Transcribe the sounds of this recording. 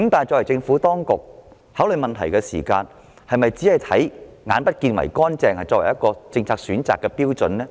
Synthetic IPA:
i˥ŋt̪aː˨jt͡ʃɔː˧wɐ˨˩jt͡sɪ˧ŋfuː˨˥t̪ɔː˥ŋkʊ˨k̚ | haː˨˥wlɵ˨˧jmɐ˨nt̪ʰɐ̰˨˩jkɛː˧sḭː˨˩kaː˧n | hɐ˨jmɐ˨jt͡siː˨˥hɐ˨jt̪ʰɐ̰˨˥jŋaː˨˥npɐ˥t̚kiː˧nwɐ̰˨˩jkɔː˥nt͡sɛː˧ŋhɐ˨jt͡sɔː˧˥wɐ˨˩jɐ˥kːɔː˧t͡sɪ˧ŋt͡sʰaː˧k̚syː˨˥nt͡sa̰ː˨˩kːɛː˧piː˥wt͡sɵ˨nlɛː˥

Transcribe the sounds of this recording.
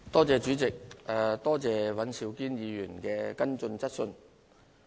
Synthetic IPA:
t̪ɔː˥t͡sɛː˧t͡ʃyː˨˥t͡sɪ˨k̚ɛ˨t̪ɔː˥t͡sɛː˨˧wɐ˨˥nsi˨˧wkiː˥njiː˨˧jyː˨˩nkɛː˧kɐ˥nt͡sɵ˧nt͡sɐ˥t̚sɵ˧n

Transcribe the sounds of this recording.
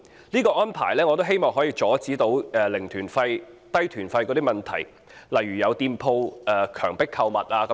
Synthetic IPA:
liː˥kɔː˧ʔɔː˥npʰa̰ː˨˩jlɛː˥ŋɔː˨˧t̪o˥wɦe˥jmɔː˨ŋɦɔː˨˥jiː˧t͡ʃɔː˨˥t͡siː˨˥t̪o˨˥wɛː˧lɪ˨˩ŋt̪ʰyː˨˩nfɐ˧jt̪ɐ˥jt̪ʰyː˨˩nfɐ˧jkɔ˨˧t̪iː˥mɐ˨˩nt̪ʰɐ̰˨˩j | lɐ˨jɥyː˨˩jɐ˨˧wt̪iː˧mpʰo˧wʔɛː˧kʰœː˨˩ŋpɪ˥kʰːɐ˧wmɐ˨t̚aː˧kɐ˨˦

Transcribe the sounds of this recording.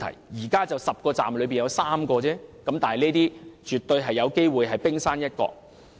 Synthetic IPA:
tʰɐ̰˨˩jjiː˨˩kaː˥t͡sɐ˨wsɐ˨p̚kɔː˧t͡sa̰ː˨mlɵ˨˧ɥpi˨njɐ˨˧wsaː˥mkɔː˧t͡sɛː˥kɐ˨˥mt̪aː˨nɦjneː˥t̪iː˥t͡ʃyː˨˩t̪ːɵ˧ɥɦɐ˨jːɐ˨˧wke˥jwuː˨jɦɐ˨jpɪ˥ŋsaː˥njɐ˥t̚kɔ̰ː˧k̚

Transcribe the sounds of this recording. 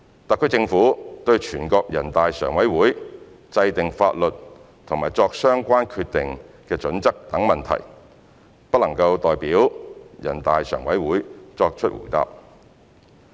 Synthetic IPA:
t̪aː˨kʰɵ˧˥t͡sɪ˧ŋfuː˨˥t̪ɵ˧ɥt͡ʃʰyː˨˩nkɔː˧k̚jɐ˨˩nt̪aː˨jsœː˨˩ŋwɐ˨˥jwuː˨˥j | t͡sɐ˧jt̪ɪ˨ŋfa̰ː˧t̚lɵ˨t̚ | t̪ʰʊ˨˩ŋmaː˨˩jt͡sɔː˧k̚sœː˥ŋkʷaː˥nkʰyː˧t̚t̪ɪ˨ŋ | kɛː˧t͡ʃɵ˨˥nt͡sɐ˥k̚t̪ɐ˨˥ŋmɐ˨nt̪ʰɐ̰˨˩j | pɐ˥lɐ˨˩ŋkɐ˧wt̪ɔː˨jpiː˨˥wjɐ̰˨˩nt̪aː˨jsœ̰ː˨˩ŋwɐ˨˥jwuː˨˥jt͡ʃɔː˧k̚t͡ʃʰɵ˥t̚wṵ˨˩t̪a̰ː˧p̚

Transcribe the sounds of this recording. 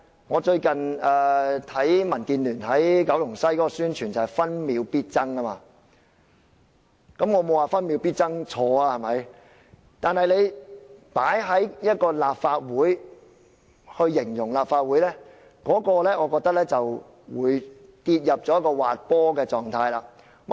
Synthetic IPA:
ŋɔː˨˧t͡ʃɵ˧ɥkɐ˨nɛː˨t̪ʰɐ˨˥jmɐ˨˩nkiː˧nlyː˨˩nɐ˨˥jkɐ˨˥wjʊ˨˩ŋsɐ˥jkɔː˨˦˥kɔ˧syː˥nt͡ʃʰyː˨˩nt͡sɐ˨˩hɐ˨˩jfɐ˥nmiː˨˧wpiː˥t̚t͡sɐ˥ŋa˥maː˧ | kɐ˨˥mŋɔː˨˧mo˨˧waː˨˩fɐ˥nmi˨˧˥wpiː˥t̚t͡sɐ˥ŋt͡ʃʰɔː˧aː˧hɐ˨˩mɐ˨˥j | t̪aː˨nhɐ˨jle˨˧jpaː˨˥jɦɐ˨˥jjɐ˥t̚kɔː˧laː˨p̚faː˧t̚wuː˨˥j | hɵ˧ɥːɪ˨˩ŋjʊ˨˩ŋlaː˨pfaː˧t̚wu˨˥jlɛː˥ | kɔː˨˥kɔː˧lɛː˥ŋɔː˨˧kɔː˧k̚t̪ɐ˥k̚lɛː˥t͡sɐ˨w | wuː˨˧jt̪i˧t̚jɐ˨p̚t͡sɔ˨˥jɐ˥kɔː˧waː˨t̚pɔː˥kɛː˧t͡sɔː˨ŋt̪ʰaː˧jlaː˧ | w

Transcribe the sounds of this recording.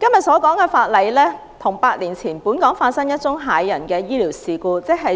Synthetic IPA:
kɐ˥mjɐ˨t̚sɔː˨˥kɔː˨˥ŋkɛː˧faː˧t̚lɐ˨˥jlɛː˥ | t̪ʰʊ˨˩ŋpaː˧t̚liː˨˩nt͡sʰiː˨˩npuː˨˥nkɔː˨˥ŋfaː˧t̚sɐ˥ŋjɐ˥t̚t͡sʊ˥ŋɦaː˨˥jːɐ˨˩nkɛː˧jiː˥liː˨˩wsiː˨kuː˧t͡sɪ˥k̚ɦɐ˨j

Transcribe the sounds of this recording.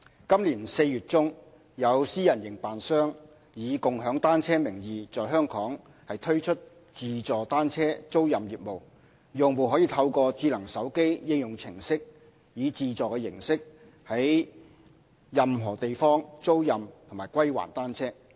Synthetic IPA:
kɐ˥mliː˨˩nse˧jɥyː˨t̚t͡sʊ˥ŋ | jɐ˨˧wsiː˥jɐ˨˩njɪ˨˩ŋpaː˨nsœː˥ŋ | jiː˨˧kʊ˨ŋɦœː˨˥ŋt̪aː˥nt͡sʰɛː˥mɪ˨˩ŋjiː˨t͡sɔː˨jɦœː˥ŋkʰɔː˨˥ŋ | hɐ˨jt̪ʰɵ˥ɥt͡ʃʰɵ˥t̚ | t͡siː˨˧t͡sɔː˨t̪aː˥nt͡sʰɛː˥t͡so˥wjɐ˨mjiː˨t̚mo˨w | jʊ˨ŋwu˨ɦɔː˨˥jiː˨˧t̪ʰɐ˧wkɔː˧t͡siː˧lɐ˨˩ŋsɐ˨˥wke˥jjɪ˥ŋjʊ˨˩ŋt͡sʰɪ˨˩ŋsɪ˥k̚ | jiː˨˧t͡siː˧t͡sɔː˨kɛ˧jɪ̰˨˩ŋsɪ˥k̚ | hɐ˨˥j | jɐ˨mɦɔː˨˩t̪e˨jfɔː˥ŋt͡so˥wjɐ˨mt̪ʰʊ˨˩maː˨˩jkʷwɐ˥jwa̰ː˨˩nt̪aː˥nt͡sʰɛː˥

